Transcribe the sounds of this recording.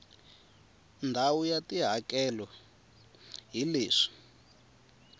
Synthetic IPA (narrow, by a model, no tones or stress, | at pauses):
ndʱawujatiɦakɛlɔ | ɦileːʂi̥